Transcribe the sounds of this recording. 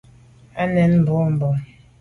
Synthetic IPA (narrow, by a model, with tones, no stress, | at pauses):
a˦nɛ˨˦nm̩˨bɔ˦m̩˨bɔ˨